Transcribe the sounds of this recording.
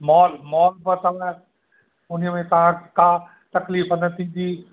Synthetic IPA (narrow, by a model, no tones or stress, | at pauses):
mɔːlmɔːlbət̪ɐʋã | ʊnəmẽt̪ɐʋ̤ãkaː | t̪ɐkliːfənət̪ʰĩːn̆d̪iː